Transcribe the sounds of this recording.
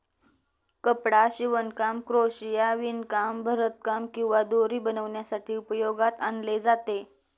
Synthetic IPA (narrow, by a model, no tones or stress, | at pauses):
kəpɽaɕiʋənkamkɾoɕjaʋinkambʱəɾət̪̚kamkĩw̃ʋad̪oɾiːbənəʋɳjasaʈʰiːupəjoɡat̪anled͡zat̪e